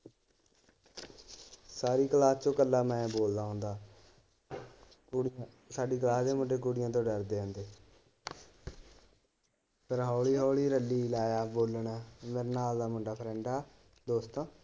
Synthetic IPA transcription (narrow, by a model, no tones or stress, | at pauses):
saːɾiːkəlaːst͡ʃõːkəlːaːmɛ̃ːboːld̪aːɦõːnd̪aː | saːɖiːkəlaːsd̪eːmʊɖeːk̬uːɽɪjãːt̪̬õːɖəɾd̪eːɦə̃nd̪eː | pʰəɾɦɔːɭiːɦoːɭiːɾəlːiːlaːjaːboːlɳːmeːɾeːnaːld̪aːmʊɳɖaːpʰɾɛ̃ːɳɖaː | d̪oːst̪õː